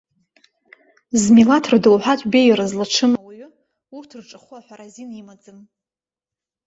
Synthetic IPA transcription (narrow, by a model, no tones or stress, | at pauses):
zmilatʰrdɨwħʷᶣatʷʼbejrazlaʈ͡ʂʰɨmawaɥʊ | urtʰrʈ͡ʂʼɨχʊaħʷaɾazinimad͡zɨm